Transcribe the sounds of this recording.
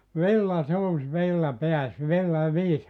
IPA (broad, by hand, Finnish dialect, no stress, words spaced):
ʋilːɑ suːs ʋilːɑ peæs ʋilːɑ ʋiːs